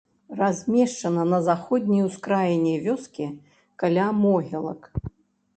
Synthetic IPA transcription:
razʲmʲɛʂt͡ʂɐnɐnɐzaxɔd̪ʲnʲijwskɾajɛnʲɛvʲɔskʲi | kalʲamɔɦʲɛlˠɐ̰k

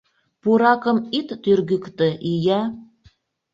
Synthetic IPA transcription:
puɾɑkɤ̆mit̪ːyrɣykt̪ə̆ʔijæ

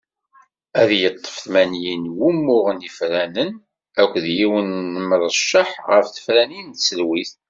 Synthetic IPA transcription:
æðjət̪ˤːə̥fθmænjinwumːʊʁənifɾænən | ækʷːðjiwənːəməɾˤʃːəħʁəfθə̥fɾænint̪səlwiθ

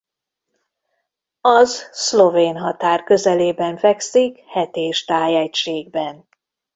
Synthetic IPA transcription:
ɒzslo̞veːnɦɒt̪aːrkø̞zɛleːbɛɱfɛksikhɛt̪eːʃt̪aːjɛcʃeːɡ̚bɛn

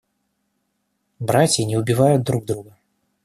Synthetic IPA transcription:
bɾat͡sʲinʲɛubʲivajʊd̪ɾuɡ̚d̪ɾuɣɐ

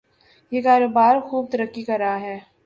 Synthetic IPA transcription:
jekaːɾoːbaːɾxuːb̚t̪ɐɾəkːikɐɾːɐɦaɦɛː

